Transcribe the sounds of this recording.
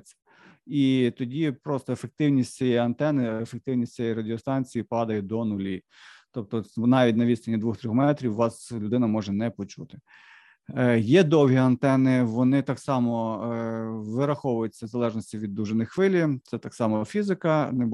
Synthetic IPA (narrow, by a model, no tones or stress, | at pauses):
t͡sʲːɐ | it̪ɔdʲipɾɔst̪ɔefek̚t̪ɪwnʲisʲtʲt͡sʲijɛjɐnt̪ɛnɪefek̚t̪ɪwnʲisʲt͡sʲijɛjɾɐdʲɪɔst̪ɑnʲt͡sʲijipɑd̪ɐjɛd̪ɔnʊlʲi | t̪ɔp̚t̪ɔnɑʋʲitʲnɐʋʲist̪ɐnʲid̪ʋuxt̪ɾʲɔxmɛt̪ɾʲiwʋɑslʲʊd̪ɪnɐmɔʒɛnɛpɔt͡ʃut̪ɪ̥ | jɛd̪ɔwɦʲiɐnt̪ɛnɪʋɔnɪt̪ɑksɑmɔ | ʋɪɾɐxɔʋʊjʊt͡sʲːɐzɐlˠɛʒnɔsʲtʲiʋʲid̪ːuʒenɪjxʋɪlʲit̪sɛt̪ɑksɑmɔfʲizɪkɐnɛ